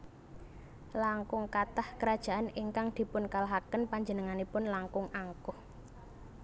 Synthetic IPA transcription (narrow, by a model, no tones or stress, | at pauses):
laŋkʊŋkat̪ahkəɾad̥ʒ̥a̤ʔaniŋkaŋd̪̥i̤pʊnkalaɦakənpaɲd͡ʒənəŋanipʊnlaŋkʊŋʔaŋkʊh